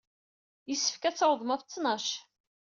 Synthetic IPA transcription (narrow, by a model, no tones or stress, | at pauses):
jəsːə̥fkæt͡sːɑwðˤmɑft͡sːnɑʃ